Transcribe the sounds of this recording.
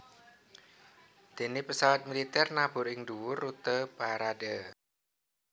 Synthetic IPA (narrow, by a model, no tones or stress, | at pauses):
d̪̥e̤nɪpəsawat̪̚milit̪ɛrnab̥ʊ̤ɾɪŋd̪uwʊrːut̪əpaɾadə